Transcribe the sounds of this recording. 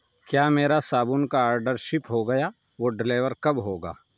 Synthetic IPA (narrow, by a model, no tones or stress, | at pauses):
kjaːmeːɾasaːbʊnkaaːɾɖəɾʃɪpɦoɡɐjaː | ʋoːɖɪleːʋəɾkɐbɦoːɡa̰ː